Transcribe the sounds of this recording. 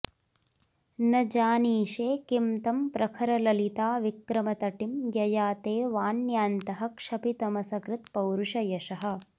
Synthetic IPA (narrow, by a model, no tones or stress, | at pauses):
nɐd͡ʒaːniːʃeːkimt̪ɐmpɾɐkʰɐɾɐlɐlit̪aːʋikɾɐmɐt̪ɐʈimjɐjaːt̪eːʋaːnjaːnt̪ɐɦɐ̆kʂɐpit̪ɐmɐsɐkɾɪt̪pɐwɾuʂɐjɐʂɐɦɐ̆